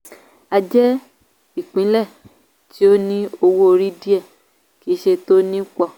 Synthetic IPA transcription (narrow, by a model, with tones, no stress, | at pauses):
a˧d͡ʒɛ˦ | i˦˨k͡pĩ˨˦lɛ˦˨ | ti˨˦o˦nĩ˦o˧wo˦o˧ɾi˦di˦ɛ˦˨ | ki˨˦ʃe˧to˦nĩ˦k͡pɔ˦˨